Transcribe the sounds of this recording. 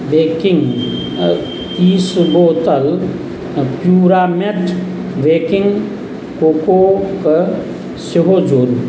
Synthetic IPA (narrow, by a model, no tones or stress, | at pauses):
ʋeːkɪŋ | iːsboːt̪əl | pjuːɾaːmeʈʰ | ʋeːkɪŋɡ | koːkok | seɦod͡ʒoːɾ